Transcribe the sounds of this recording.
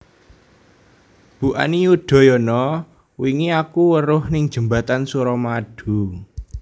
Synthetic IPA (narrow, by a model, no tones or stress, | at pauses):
b̥uʔa̰nijuɖ̥ɔ̤jɔnɔ | wiŋiakuwəɾʊhnɪŋd̥ʒ̥ə̤mba̤t̪ansuɾɔmaɖ̥ṳ